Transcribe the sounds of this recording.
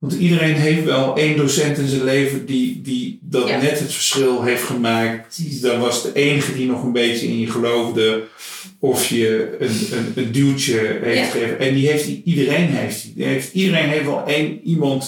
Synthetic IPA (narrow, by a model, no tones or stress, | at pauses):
ʋɑntidərenɦejftʋɛlˠeːndoːsɛntɪnzənleːvədididɔtnɛtɦətfə̥rsχɪlˠɦejftχəmaːk̚tdɔnʋɑsdəʔejnəɣədinɔχənbejtjəɪ̰njəχəlowvdə | ɔfjəənənəndytjəɦejfftχəʔɛndiɦejftidərejnɦejftieftidərejnɦeftʋɛ̰lˠʔeːnimɑnt